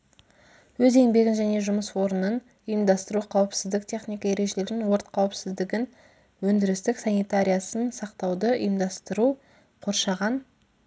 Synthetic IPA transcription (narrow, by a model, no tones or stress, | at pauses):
wɵze̞nbe̞ɡʲɪnʒæne̞ʒʊməswo̞ɾənən | əjəmd̪ɑst̪əɾuqʰɑwəpsɪzd̪ɪk̚t̪ʲʰe̞χnijkɑe̞ɾe̞ʒe̞le̞ɾɪnwo̞ɾt̪̚qʰɑwəpsɪzd̪ɪɡʲɪn | wɵnd̪ɪɾɪst̪ɪksɑnijt̪aɾʲijasənsɑqt̪ɑwd̪əʔə̰jəmd̪ɑst̪əɾu | qʰo̞ɾʃɑʁɑn